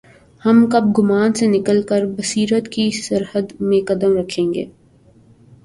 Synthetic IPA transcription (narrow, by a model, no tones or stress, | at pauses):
hɐmkɐb̚ɡʊmaːnsenɪkəlkəɾbɐsiːɾət̪kisɐɾhəd̪mẽkɐd̪əmɾɐkʰẽːŋɡḛː